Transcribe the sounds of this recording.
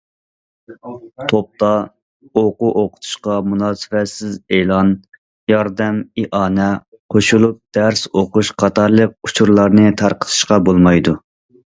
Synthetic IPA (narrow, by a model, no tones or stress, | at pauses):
t̪ʰop̚t̪ɑ | oquʔoqʰʊ̥t̪ʰu̥ʃqɑmunɑːsɪvɛt̪sɪzelˠɑn | jɑɾd̪ɛmiʔɑːnɛ | qʰoʃulˠup̚d̪̥æɾsoquʃqʰɑt̪ʰɑɾlˠəq̚ut͡ʃʰuɾlˠɑɾnɨt̪ʰɑɾqə̥t̪ʰɨ̥ʃqɑbolˠmɑjd̪u